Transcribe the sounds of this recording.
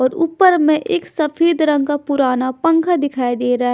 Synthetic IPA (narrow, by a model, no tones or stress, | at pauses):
ɔːɾuːpːəɾmẽʔeːksɐfʰeːd̪ɾə̃ŋɡkapʊɾaːnapə̃ŋkʰad̪ɪkʰaːed̪eːɾa